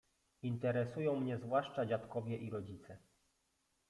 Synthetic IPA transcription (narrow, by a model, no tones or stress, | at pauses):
int̪ɛɾɛsujɔ̃w̃mɲɛzvwaʂt͡ʂad͡ʑat̪kɔvʲjɛʔiɾɔd͡ʑit̪sɛ